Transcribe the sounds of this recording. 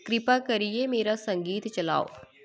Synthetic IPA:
kɾɪpaːkəɾiemeːɾasəŋɡiːt̪t͡ʃəla̰ːo̰ː

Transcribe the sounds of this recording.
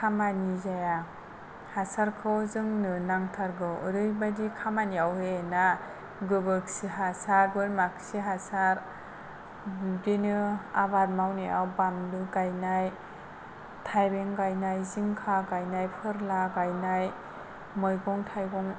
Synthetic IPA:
kʰamanizaja | hasaɾkʰɯwzɯŋnɯnaŋtʰaɾɡɯwɯɾɯjbadikʰamaniawhena | ɡɯɡɯksiɦasaɾbɯɾmaksiɦasaɾ | bidenɯabaɾmawniawbamdɯɡajnaj | tʰajbeŋɡajnajziŋkʰaɡajnajpʰɯɾlaɡajnaj | mɔjɡɔŋtʰajɡɔŋ

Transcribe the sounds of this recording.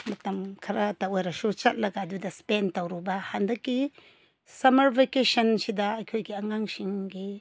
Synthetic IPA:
mɐtɐmkʰɐɾʔataojɾɐsut͡ʃɐt̚lɐɡadudɐspentawɾubɐhandɐkːi | sɐmɐɾbekesɐnsidɐːjkʰojɡiɐŋaŋsiŋɡi

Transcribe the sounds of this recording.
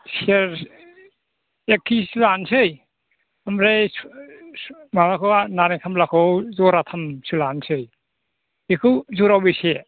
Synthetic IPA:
sieɾ | ekʰːisilansɯj | amɾe | mamakʰɯanaɾikʰamlakʰɔwzɔɾatʰamsɯlansɯj | ekʰɯwzɔɾawbise

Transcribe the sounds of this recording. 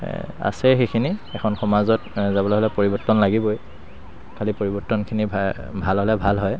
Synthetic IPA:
a̰sɛxekʰiniɛkʰɔnxɔmazɔtzabɔlaɦɔlɛpoɹibɔɹtɔnlaɡiboj | kʰalipoɹibɔɹtɔnkʰinibʱalɦɔlɛbʱalɦɔj

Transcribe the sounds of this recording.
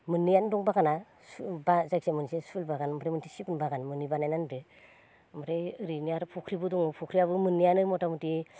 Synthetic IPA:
mɯnːijandɔŋbaɡana | sbazaksemɯnsesulbaɡanmɾemɯntʰisipunbaɡanmɯnːibanajnandɯ | mɔɾeɯɾinijaɾpʰɔkʰɾibɯdɔŋɯpʰukʰɾijaβɯmɯnːijanɯmɔtamuti

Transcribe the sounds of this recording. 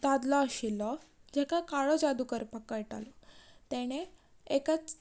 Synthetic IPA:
d̪ad̪lɔaɕilɔd͡ʑɛkakaɭɔd͡zad̪ukəɾpakəɭʈa̰lɔt̪ɛɽ̃e | ekət͡s

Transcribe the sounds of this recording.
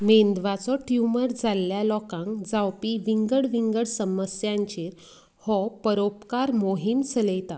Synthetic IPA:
mend̪ʋat͡sɔʈjuməɾd͡zalːjalɔkãŋkd͡zawpiʋiŋɡəɽʋiŋɡəɽsəməsjãɲt͡ɕeɾ | hɔpəɾopkaɾmoɦimsələjt̪a

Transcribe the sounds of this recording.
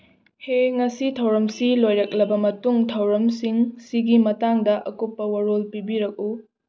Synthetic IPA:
heŋɐsitʰɐwɾɐmsilojɾɐk̚lɐbɐmɐtuŋtʰɐwɾɐmsiŋsiɡimɐtaŋdɐʔɐkopːɐwɐɾolpibiɾɐk̚u

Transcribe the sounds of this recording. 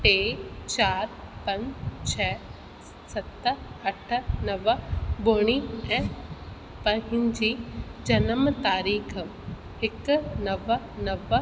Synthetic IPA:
ʈeːt͡ɕaːɾpɐ̃ɲd͡ʑt͡ɕʰɛː | sɐt̪ɐʈʰnɐʋboːɽ̃iːɛ̃ː | pɐ̃ɦɪ̃ɲd͡ʑiːd͡ʑɐnəmt̪aːɾiːkʰ | hɪknɐʋ | nɐʋ

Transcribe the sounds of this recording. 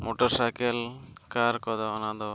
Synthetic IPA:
moʈɔɾsajkɛlkaɾkɔd̪aɔnad̪ɔ

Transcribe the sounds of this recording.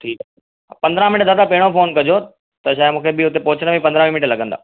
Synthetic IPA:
ʈʰiːk | pɐ̃nd̪ɾãmɪnʈd̪aːt̪apɐɦɪɽ̃ofoːnkɐd͡ʑo | t̪ɐʃaːjmũːkʰebɪʊt̪epoːt͡ɕənəmĩpɐ̃nd̪ɾãmɪnɪʈlɐɠə̃nd̪a̰ː

